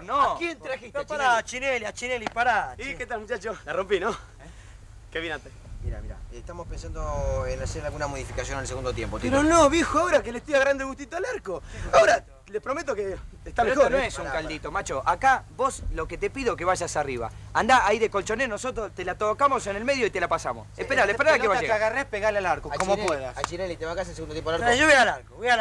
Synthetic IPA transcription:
nokent̪ɾaxioaɾat͡ʃineliat͡ʃinelipaɾaiket̪almut͡ʃat͡ʃolarompino | keβinant̪emiɾa̰miɾa̰et̪amospensand̪oenaseɾalɣunamoðifikasjonelseɣund̪ot̪jempot̪ɾonoβjixoaoɾak̬elet̪ojaɣɾand̪eɣut̪it̪oalaɾkoaoɾa | lepɾomet̪̬oke | est̪amexonoesuŋkald̪it̪o̞mat͡ʃoʔakaβo̞slo̞ke̞t̪e̞piðok̬e̞βaʒasariβa̰and̪aʔajðe̞ko̞lt͡ʃoneno̞so̞t̪ɾost̪elat̪okamo̞senelme̞ðjoit̪e̞lapasa̰mo̰sehpeɾalepeɾaɾakeβaʒeaɣarespeɣaɾlealaɾkokomopweðasat͡ʃiɾelit̪eβakasalseɣundojepolaɾkʒoβealaɾkoβoja

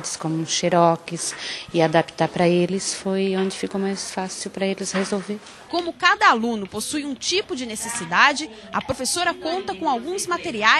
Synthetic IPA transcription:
d͡ʒɪskõmʊʃeɾɔkɪsɪad̪api̥t̪aɾpɾɐelɪsfojõd͡ʒɪfikowmajsfasiwpɾɐelɪshezowveɾ | kõmʊkad̪ɐalũnʊposujũt͡ʃipʊd͡ʒɪnesesid̪ad͡ʒɪ | ɐpɾofesoɾɐkõnt̪ɐkõawɡũzmat̪eɾia

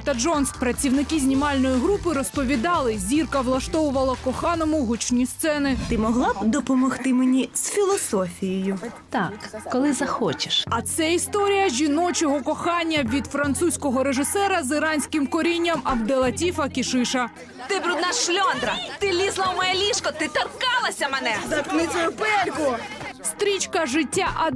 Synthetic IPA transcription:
t̪ɐd͡ʒɔnspɾɐt͡sʲiwnɪkɪzʲnʲimɑlʲnɔjiɦɾupɪɾɔspɔʋʲid̪ɑlˠɪzʲirkɐʋlˠɐʃt̪ɔʋʊʋɐlˠɐkɔxɑnɔmʊɦʊt͡ʃnʲist̪sɛnɪt̪ɪmɔɦlˠɑbd̪ɔpɔmɔxt̪ɪmenʲisfʲilˠɔsɔfʲijɔjʊt̪akːɔlˠɪzɐxɔt͡ʃɪ̥ʃɐt̪sɛist̪ɔɾʲijɐʒʲinɔt͡ʃɔɦɔkɔxɑnʲːɐʋʲid̪fɾɐnt̪susʲkɔɦɔɾeʒɪsɛɾɐzɪɾɑnʲsʲkɪmkɔɾʲinʲːɐmɐbd̪elˠɐtʲifɐkʲiʃɪʃɐ | t̪ɪbɾud̪naʃlʲɔnd̪ɾɐt̪ɪlʲizlˠɐwmɔjɛlʲiʃkɔt̪ɪt̪ɐrkɑlˠɐsʲɐmɛnɛzɐt̪knɪt͡sʲɔjʊpɛlʲkʊst̪ɾʲit͡ʃkɐʒɪtʲːaʔɐd̪

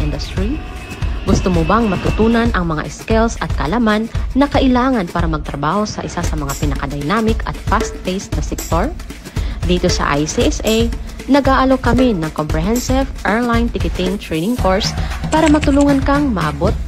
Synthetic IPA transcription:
ʔɪnd̪ʊst̪ɾi | ɡʊst̪omobɐŋmɐt̪ʊt̪uːnɐnʔɐŋmɐŋa̰ʔɛskɛlsɐt̪̚kɐ̰ʔɐlamanːɐkɐʔɪlaːŋɐnpaːɾɐmɐɡ̚t̪ɾɐbaːho̞sɐʔɪsasɐmɐŋapɪnɐkɐd̪ɐjnaːmɪkɐ̰t̪̚fast̪fejsnɐsɛk̚t̪oɹ | d̪iːt̪o̞sɐ̰ʔa̰jsiʔɛsʔɛj | nɐɡʔaːʔɐlokɐminɐŋkompɾɛɦɛnsɪvʔɛɹlajnt̪ɪkɪt̪ɪŋt̪ɹejnɪŋkoɹspaːɾɐmɐt̪ʊluːŋɐnkɐŋmɐʔabot̪̚

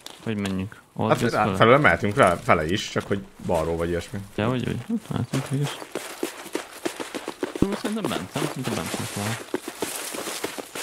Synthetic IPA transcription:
hɔɟmɛɲːyŋk | o̰fɛløːlɛmɛɦɛt̪yŋkʋɛfɛlɛiʃt͡ʃɒkho̞ɟbɒrɾoːvɒɟiɛʃmijɛɔɟo̰ɟot̪mɛ̰lɛt̪yŋkɛɡiʃ | smisɛɾint̪ɛmbɛ̰nsɛmsɛɾinɛmbɛ̰nsyŋkal

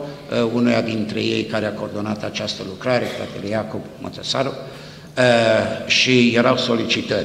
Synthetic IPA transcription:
unujad̪int̪ɾe̞̰je̞̰jkaɾeakoːrd̪o̞nat̪at͡ʃast̪əlukɾaɾe̞fɾa̰t̪elejakobmə̰t̪esaɾu | ʃije̞ɾawso̞lit͡ʃit̪ə

